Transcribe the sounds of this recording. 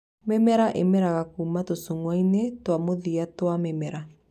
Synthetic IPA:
mɛmɛɾaʔemɛɾaɣakuːmatosoŋwainetwamoðiatwamɛmɛɾa

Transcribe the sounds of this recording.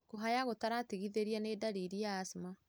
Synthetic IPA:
koɦajaɣotaɾatiɣiðeɾianedaɾiɾiaːsima

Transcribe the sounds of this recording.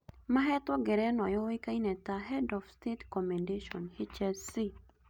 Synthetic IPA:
maɦɛt̪wɔɡɛɾɛnwajɔwikainɛt̪aɦɛdɔfstetkɔmɛndeʃɔnhit͡ʃɛsi

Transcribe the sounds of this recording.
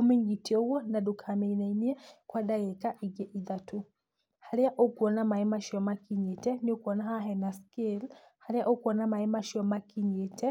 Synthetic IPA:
umɛŋɡitiɔwɔnadukʰamɛinainiakwadaɣɛkaʔiɡɛʔiðatu | halɛaʔokuɔnamaɛmaʃɔmakiɲetɛniukuɔnaɦaɦɛnaskil | halɛaʔokuɔnamaɛmaʃiɔmakiɲetɛ

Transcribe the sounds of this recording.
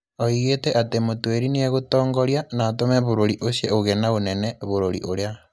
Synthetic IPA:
oiɣetɛʔatemotweɾineeɣotɔːŋɡɔɾjanaːtomɛβoɾoɾiʔoɕeoɣenaonɛnɛβoɾoɾḭʔoɾea

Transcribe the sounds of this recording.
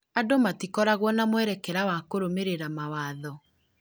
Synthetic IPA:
adomatikɔɾaɣwɔnamwɛɾɛkɛɾawakoɾomeɾeɾamawaːðɔ

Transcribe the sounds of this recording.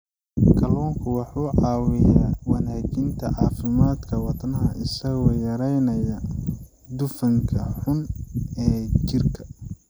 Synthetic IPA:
kʰɐlɔːŋkʰʊwɑħuːʕɑːwɪjaːwɑnaːkɪnt̪ʰɐʕɑːfɪmaːd̪kʰɐwɑd̪nɐɦɐʔɪsɐɣɔːjɐɾɛjnɐjɐ | d̪ʊfɐŋkʰɐħʊnɛːt͡ʃɪrkʰɐ̥

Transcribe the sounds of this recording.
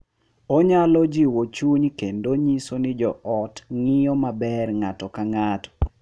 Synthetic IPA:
oɲalɔd͡ʒiwot͡ʃuɲkendoɲisonɪd͡ʒɔɔtŋɪjɔmabɛrŋatɔkaŋatɔ̥

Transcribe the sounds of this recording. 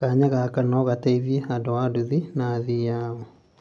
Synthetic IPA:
kaɲaɣakanɔɣataiðieadoaduðinaːðijaɔ

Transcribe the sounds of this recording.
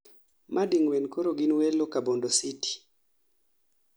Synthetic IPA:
mʔadiŋwɛnkoɾoɡinwɛlokabondositi̥

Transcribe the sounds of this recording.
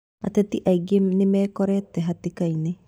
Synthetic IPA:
a̰tɛt̪iʔaiɡenɪmɛːkɔɾɛtːɛɦatikaine

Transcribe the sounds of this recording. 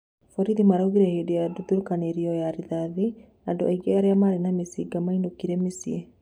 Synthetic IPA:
fɔɾiðimaɾauɣiɾɛhedejaduðuɾukaneɾiɔjaɾiðaði | ando̰aiɡeaɾeamaɾenamesiɡamainokiɾɛmesie

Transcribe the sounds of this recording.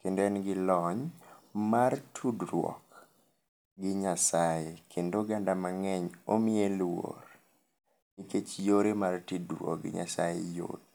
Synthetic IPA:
kendoɛnɡɪlɔɲmartʰudrwɔ̰k | ɡɪɲasajekʰendoɡandamaŋɛɲomɪelwo̰r | niket͡ʃjoɾemartidɾwɔ̰k̚ɡɪ̰ɲa̰sajḛjo̰d̚

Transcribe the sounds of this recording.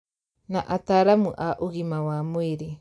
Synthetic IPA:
naʔataɾamuʔaʔuɣimawamoiɾi

